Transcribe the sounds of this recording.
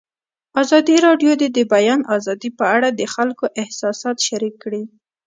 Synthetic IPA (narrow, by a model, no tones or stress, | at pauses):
ɑzɑd̪iɾɑɖjod̪ed̪əbajɑnɑzɑd̪ipəaɽad̪əxalkoʔɪhsɑsɑt̪ʃaɾikːɽi